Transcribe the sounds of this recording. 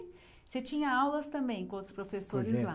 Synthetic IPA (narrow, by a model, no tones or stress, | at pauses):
set͡ʃĩɲɐawlɐst̪ɐ̃mbẽj̃kõõt̪ɾʊspɾofesoɾɪzla